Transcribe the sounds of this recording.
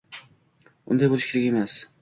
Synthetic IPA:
ʊ̰nd̪ajbolˠɪʃkʰʲeɾɪkʲemas

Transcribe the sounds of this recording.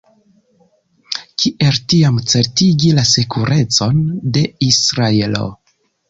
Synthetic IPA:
kʰiʔe̞ltiamt͡se̞ɾtiɡilasekʰuɾe̞t͡so̞nde̞isɾaelo̞̰

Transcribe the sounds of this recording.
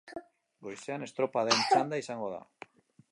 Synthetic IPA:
ɡojseane̞st̪ɾopaðent͡ʃand̪aisaŋɡoða̰

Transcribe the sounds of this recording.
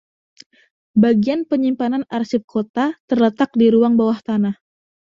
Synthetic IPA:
baɡianpəɲimpananarsɪp̚kʰot̪at̪ərlət̪ak̚diɾuaŋbawaht̪anah

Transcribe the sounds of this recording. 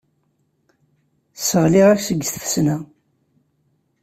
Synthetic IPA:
səʁlɪʁæksəɡːsθfsna

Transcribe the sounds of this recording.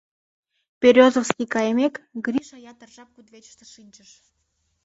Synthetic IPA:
pʲeɾʲozəfskijkɑjemekɡɾʲiʃɑjɑt̪ərʒɑp̚kud̪βʲet͡ɕə̥ʃt̪eʃɨnʲt͡ɕəʃ

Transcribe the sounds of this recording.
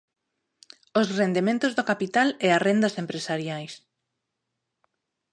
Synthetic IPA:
ʊsrend̪emẽnt̪ʊzðokapit̪alɛarend̪ɐsempɾesaɾjajs

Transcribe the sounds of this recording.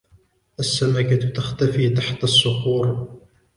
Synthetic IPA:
ʔasːamakat̪axt̪afiːt̪aħt̪asːʊxuːɾ

